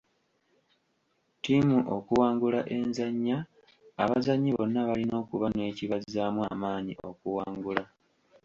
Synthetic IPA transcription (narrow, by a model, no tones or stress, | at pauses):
timuʔo̞kuwaːŋɡulaʔe̞nzaɲːaː | βazaɲːiβo̞̰nːaβalino̞ːkuβane̞ːciβazaːmwaːmaːɲio̞̰kuwaːŋɡula